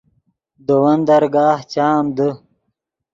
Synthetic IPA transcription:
d̪owɐnd̪ɐɾɡaːht͡ɕaːmd̪ə

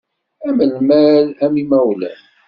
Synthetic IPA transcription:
æməlmælæmimæwlæ̰

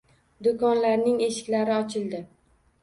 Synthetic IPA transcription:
d̪ʊkɒnlaɾnɪŋe̞ʃɪ̥kʲlaɾɪɒt͡ʃʰɪld̪ɪ

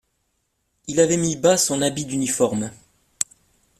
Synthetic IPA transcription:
ilavɛmibasɔ̃nabid̪ynifɔʁm

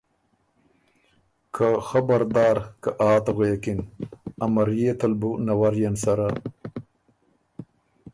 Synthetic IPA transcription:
kʰaxabaɾd̪ɑːɾkaʔaːt̪ɣekinamaɾjet̪albunawaɾjansaɾa

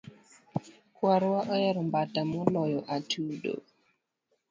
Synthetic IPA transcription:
kwaɾwaʔɔjɛɾɔmbatamɔlɔjɔʔatʰuːdo̰

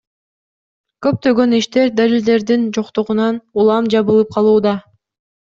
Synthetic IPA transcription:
kø̞p̚t̪ø̞ɡø̞niʃt̪e̞ɾd̪alʲild̪e̞ɾd̪ind͡ʒoqt̪oʁunɑnulˠɑmd͡ʒɑβɯlˠɯp̚qʰɑlˠuːd̪ɑ

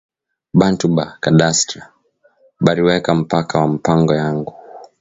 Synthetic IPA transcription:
bantubakaɗastɾa | ɓaɾiwɛkam̩pakawam̩paŋɡɔjaŋɡu

